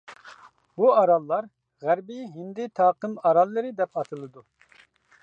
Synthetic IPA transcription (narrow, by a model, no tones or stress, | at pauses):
buɑɾɑlˠːɑɾ | ʁæɾbɪɦind̪ɪt̪ʰɑːqɨmɑɾɑlˠːɨɾɨd̪ɛpɑt̪ʰɨlˠɨd̪u